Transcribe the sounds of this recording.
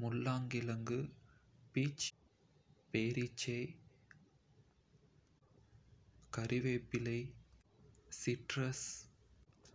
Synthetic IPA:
mʊlːaːŋɡɪlɐŋɡɯpiːt͡ʃ | peːɾɪt͡ʃːɐɪ | kɐɾɪʋeːpːɪlɐɪ | sɪʈɾɐs

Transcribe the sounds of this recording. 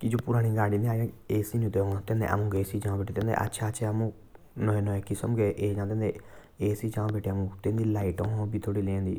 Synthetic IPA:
kid͡ʒoːpʊɾaːñĩːɡaːɖĩːnd̪iaːd͡ʒãeːsinĩt̪eɡɔ̃t̪ẽnd̪ḛʔa̰mũːɡeːsiːd͡ʒãːbeːʈet̪ẽnd̪ḛːʔɐ̰tːʃʰaːʃʰaəmũː | nɔẽnɔẽkɪsəmɡeːʔeːd͡ʒãːt̪ẽnd̪e | eːsid͡ʒãːbeːʈʰeəmũt̪ẽːnd̪ilaːɪʈõbiːt̪ʰoːɽilẽːnd̪ḭː

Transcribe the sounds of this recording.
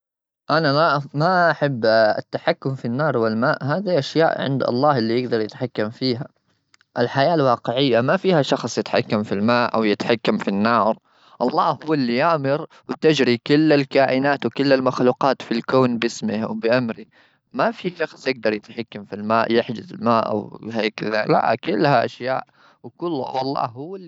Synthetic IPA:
ʔanaamaʔaħabːa̰t̪ːaħakːʊmfinːɑːɾˤwɪlmaːʔhaːðiʔaʃja̰ːʔʕɪ̰nd̪ʔɑ̰lˤːɑːhʔɪlːijɪɡd̪ɑɾˤjɪt̪ħakːamfiːɦa | ʔɪlħajaːlwɑːqɪʕɪjːamafiːhaʃɑxsˤjɪt̪ħa̰kːamfilmaːʔʔa̰wjɪt̪ħakːamfinːɑːɾ | ʔɑlˤːɑːhhʊwːɪlːijaʔmɪɾ | wɪt̪ɪd͡ʒɾikʊlːalkaːʔɪnaːt̪wkɪlːalmaxluːqɑːt̪filkoːnbɪsmɪhwbɪʔamɾi | mafiʃɑxsˤjɪɡ̚d̪ɑɾˤjɪt̪ħakːamfilmaːʔjɪħd͡ʒɪzɪ̰lmaːʔa̰whaːkɪðala̰ʔkʊlːhaʔaʃjaːʔ | wkʊlːwɑlˤːɑ̰ːhʊːalː

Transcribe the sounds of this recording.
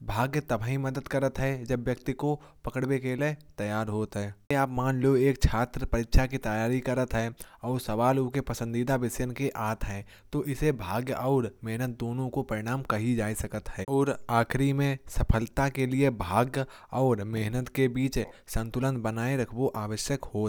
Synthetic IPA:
bʱaːɡjət̪ɐbʱaːɦĩmɐd̪əd̪kəɾət̪ɦɛd͡ʒɐbjəkt̪iko | pɐkəɽbekelet̪ɐjaːɾɦoːt̪ɦɛːaːpmaːnloeːkt͡ʃʰaːt̪ɾəpɐɾɪkʃʰakit̪ɐjaːɾikɐɾət̪ɦɛːɔːɾsɐʋaːlʊkepɐsə̃nd̪iːd̪abɪsjənkeʔaːt̪ɦɛ̃ː | t̪oʔɪsebʱaːɡjɔːɾmɛɦnət̪̚d̪oːnõkopɐɾɪɽ̃aːmkɐɦid͡ʒaːisɐkət̪ɦɛːɔːɾaːkʰɾimẽsɐpʰəlt̪akeliebʱaːɡ | ɔːɾmɪɦnət̪kebiːt͡ʃsə̃nt̪ʊlənbənaːeɾɐkʰboʔaːʋəʃjəkɦoː

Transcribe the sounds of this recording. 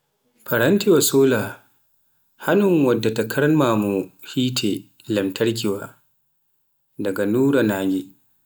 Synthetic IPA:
pɐɾɐntiwasoːlaː | hanʊŋwɐdːatɐkʰɐɾɐnmaːmuhiːtʰe | lɐmtʰɐɾk̬ʲiwaː | dɐɡanuːɾanaːɡʲi

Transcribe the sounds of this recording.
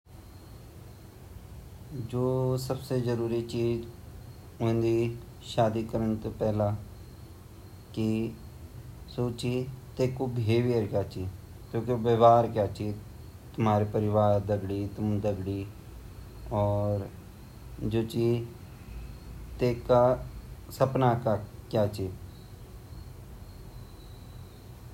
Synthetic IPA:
d͡ʒoːsəbsezəɾuːɾit͡ʃiːd͡ʒ | ʊ̃nd̪iː | ʃaːd̪iːkəɾəɳt̪opɛːlãː | ki | soːt͡ʃiːt̪eːkːoːbʱeːʋiəɾkjaːt͡ʃiː | kjõːkeʋəʋaːɾkjaːt͡ʃi | t̪ʊmɦaːɾipəɾɪʋaːɾd̪əɡɽit̪ʊmd̪əɡɽi | ɔːɾ | d͡ʒoːt͡ʃi | t̪eːkasəpnaːkakjaːt͡ʃiː

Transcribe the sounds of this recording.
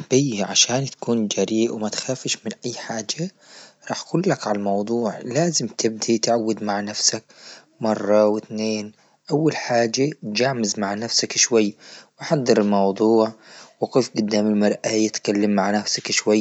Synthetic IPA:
b̥ijːʕaʃaːnt̪ḁkuːnd͡ʒaːɾiːʔwɪmat̪xaːfɪʃmɪnʔajːħaːd͡ʒa | ɾˤɑːħkuːlːakʕalamɑwd̪ˤuːʕlaːzɪmt̪ʰɪb̚d̪it̪ʕawːad̪maʕnafsak | mɑrˤːɑwɪt̪neːn | ʔawːalħaːd͡ʒːat̪d͡ʒaʕmɪzmaʕnafsakʃwajːwaħad̪ˤːɪɾɪlmɑwd̪ˤuːʕwɪqiːfɡʊd̪ːaːmɪlmɑɾˤʔajɪt̪kalːamːaʕnafsakʃwajː

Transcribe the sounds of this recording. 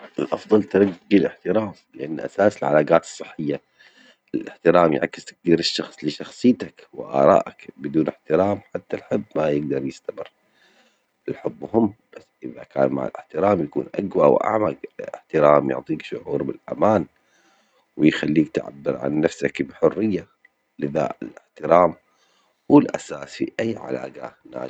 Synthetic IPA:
ʔɪlʔɑfðˤɑlt̪aɾˤɑɡːilɪħt̪ɪɾaːmlɪʔanːʔa̰saːsɪlʕa̰laːɡaːt̪ɨ̥sˤːɨħːɪjːa | ɪlʔɪħt̪ɪɾaːmj̰ʕa̰kːɪ̥st̪ḁk̚d̪iːɾɪʃːɑxsˤlɪʃɑxsˤɨjːt̪akwɪ̰ʔɑ̰ːɾˤɑ̰ːʔakbɪd̪uːnɪħt̪ɪɾaːmħat̪ːalħɪbːmajɪɡd̪ɑɾˤjɪst̪amɪrː | ɪlħʊbːhʊmːb̥asʔɪðaka̰ːnma̰ʕɪ̰lʔɪħt̪ɪɾaːmjakṵːnʔaɡwawʔa̰ʕmaɡɪħt̪ɪɾaːmjʊ̰ʕt̪ˤiːkʃʊʕuːɾbɪlʔa̰maːn | wɪjxalːiːk̚t̪ʕa̰bːɪɾʕa̰nːafsakbɪħʊrːɪjːa | lɪða̰ːʔɪlɪħt̪ɪɾaːm | wɪlʔa̰saːsfiʔajːʕa̰la̰ːɡanːa̰ː

